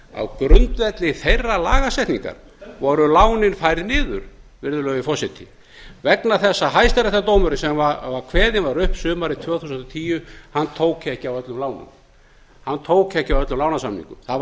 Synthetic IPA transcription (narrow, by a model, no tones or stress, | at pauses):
a̰wkɾʏnt̪vɛt̪lɪθejrːala̰ːɣasɛjht̪nḭŋka̰ɾ̥ | vɔɾʏlaːwnɪnfajɾɪðnɪːðʏ̰ɾ̥vɪɾðʏlœːɣvɪfɔsɪt̪ʰɪ | vɛknaθɛsːaɦajst̪aɾɛht̪at̪oːwmʏɾɪsɛmvavaɾkʰvɛːðɪnvaɾʏhpsʏːmaɾɪt̪ʰvœːɣθuːsnt̪ɔt̪ʰiːjʏhanːt̪ʰoːwkɛhcːɪawœt̪lʏmlaːwnʏ̰m | hanːt̪ʰoːwcɛhcɪawœt̪lʏmlaːwnasamnḭŋkʏmθa